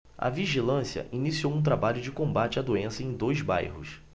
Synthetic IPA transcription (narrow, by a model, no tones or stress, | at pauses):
ɐ̰viʒilɐ̃siɐ̰ʔinisiowũt̪̬ɾabaʎʊd͡ʒɪkõmbat͡ʃɪɐd̪oẽsɐẽj̃d̪ojzba̰jɦʊ̰s